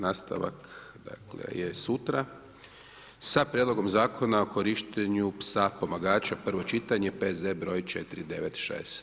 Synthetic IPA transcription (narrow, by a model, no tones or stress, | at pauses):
naːst̪a̰ʋa̰k | d̪a̰klḛjesut̪ɾa | sapɾjed̪lo̞ɡo̞mzaːkʰo̞nao̞koɾiʃt̪eɲupsapo̞maɡaːt͡ʃapr̩ʋo̞t͡ʃit̪aɲe̞pezebɾo̞ːjt͡ʃḛt̪iɾid̪e̞ʋet̪ʃḛːst̪